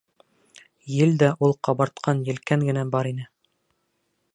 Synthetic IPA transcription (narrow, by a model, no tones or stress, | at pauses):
jɘld̪æʔulˠqɑβɑɾt̪qʰɑnjɘ̆lkæŋɡɘ̆næbɑɾinɘ